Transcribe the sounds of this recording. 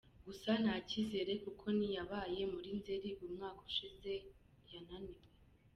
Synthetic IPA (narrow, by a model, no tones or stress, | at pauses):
ɡusanacize̞ɾe̞kukʰo̞nijaβaːje̞muɾinze̞ɾiβumŋaːku̥ʃize̞ | jananiwe